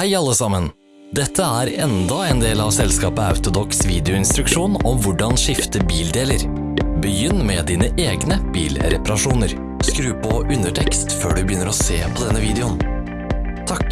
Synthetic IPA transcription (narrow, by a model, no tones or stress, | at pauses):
hæɪɑlːəsɑmːən | d̪ɛt̪ʰːəæɾɛnd̪ɑɛnd̪eːlɑʋsɛlskɑːpəɑ̰ʉt̪ʊd̪ɔksʋiːd̪ɛʊɪnst̪ɾʉkʂuːnɔmʋʊɖɑnʂɪft̪əbiːld̪eːləɾ | bəjʏnːmɛd̪iːnəʔeːɡnəb̥ḭːlɾɛ̰pɑɾɑʂuːnəɾ | skɾʉːpʰɔʔʉnd̪əʈʰɛkst̪føːɖʉbəjʏnːəɾɔseːpʰɔd̪ɛnːəʋiːd̪ɛʊn | t̪ʰɑk